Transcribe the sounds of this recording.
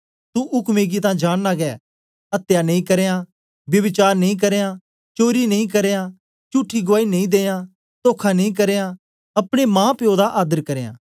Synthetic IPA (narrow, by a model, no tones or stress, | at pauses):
t̪ũʔʊkmeːɡit̪̬ãːd͡ʒaːɽ̃laːɡɛː | ɐt̪janẽĩkɐɾeːãː | bjɐbɪt͡ʃaːɾnɐĩk̬ɐɾeːã | t͡ʃoːɾinɐĩkɐɾeːjã | t͡ʃuʈʰːiɡʊʋaːinẽĩd̪eːjã | t̪oːkʰanẽĩk̬ɐɾeːjã | ɐpɽ̃emãːpjoːd̪aʔaːd̪əɾkɐɾeːã̰ː